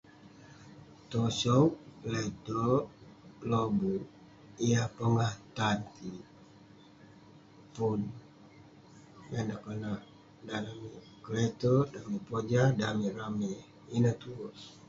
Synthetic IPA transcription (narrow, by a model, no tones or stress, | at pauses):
t̪ɔsɔk̚let̪ɔ | lobu | iapəŋaht̪ant̪i | pun | menakəna | dalami | kəlet̪odamipod͡ʒadamirame | inət̪uɔs